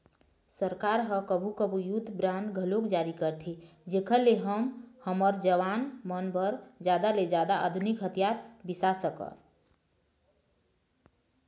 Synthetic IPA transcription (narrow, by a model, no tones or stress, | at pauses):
səɾkaɾɦəkəbʱukəbʱujud̪ʱbɾanɖɡʱəlokd͡ʒaɾikəɾt̪ʰid͡ʒekʰəleɦəmhəməɾd͡ʒəʋanmənbəɾd͡ʒjad̪aled͡ʒjad̪aa̰d̪ʱunikɦət̪jaɾbisasəkə̰